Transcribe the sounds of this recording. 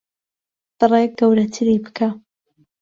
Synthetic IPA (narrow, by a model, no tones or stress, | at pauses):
d̪̥ɨrˤeɡɐwɾɐt̪ʰɨɾibɨkʰa